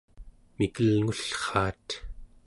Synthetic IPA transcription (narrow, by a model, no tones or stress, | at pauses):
mikəlŋuɬχɑːt̪